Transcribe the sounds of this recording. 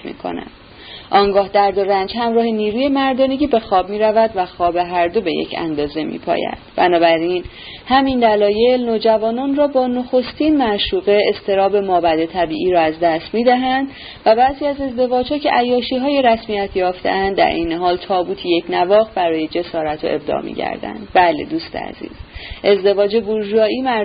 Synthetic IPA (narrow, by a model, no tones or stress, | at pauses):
mḭːkʰo̰næ̰nd̥̪ | ʔɒːŋɡɒːhd̪æɾd̪o̞ɾænd͡ʒhæmɾɒːhe̞niːɾuːje̞mæɾd̪ɒːne̞ɟiːbe̞xɒːb̚miːɾævæd̪væxɒːbe̞ɦæɾd̪o̞be̞jḛcʰæ̰nd̪ɒːze̞mḭːpʰɒ̰jæ̰d̪̥bæ̰nɒːbæɾin | hæmind̪ælɒːje̞lnoːd͡ʒævɒːnɒːnrɒːbɒːnoxo̞st̪iːnmæʃuːɣe̞est̪ʰe̞ɾɒːbe̞mɒːbæd̪e̞t̪ʰæbiːʔiːɾɒːæzd̪æst̪miːd̪æɦænd̪ | væbæziːæze̞zd̪e̞vɒːd͡ʒhɒːcʰe̞ʔæjɒːʃiːɦɒːje̞ɾæsmijæt̪ʰjɒːft̪ḛʔænd̪ːæ̰ɾʔejne̞ɦɒːlt̪ʰɒːbuːt̪ʰijecnævɒːɣbæɾɒːje̞d͡ʒe̞sɒːɾæt̪ʰo̰ʔe̞b̚d̪ɒ̰ːmḭːɟæ̰ɾd̪æ̰nd̪̚bæle̞̰d̪uːst̪ḛæ̰z̥ḭːz̥ʔe̞zd̪e̞vɒːd͡ʒe̞buɾʒuɒːʔiːmæ